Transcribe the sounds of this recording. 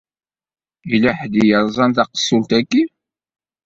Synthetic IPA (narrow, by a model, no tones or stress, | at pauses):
ilæħd̪ijəɾˤzˤɑnt̪ɑqə̥sˤːult̪ækːi